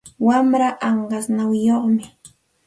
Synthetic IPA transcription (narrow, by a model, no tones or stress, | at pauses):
wamɾaʔɑɴɢɑsnawjoχmɪ